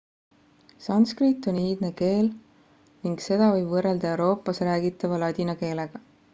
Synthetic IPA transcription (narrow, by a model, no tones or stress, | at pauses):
sɑnskrit̪ːˑo̞niːd̪ne̞ke̞ːl | niŋɡ̥se̞d̪̥ɑvɤjb̥vɤreld̪̥ɑe̞wɾo̞ːpːˑɑsræːɡit̪ːˑɑvɑlɑd̪ʲinɑke̞ːleɡ̥ɑ